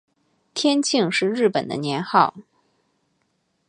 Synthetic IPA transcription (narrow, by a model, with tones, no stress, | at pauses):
t̪ʰjɛ˥nt͡ɕʰi˥˧ŋʂɻ̩˥˧ɻɻ̩˥˩pə˨˩nd̪ə̰˦njɛ˧˥nxɑ˥˩ʊ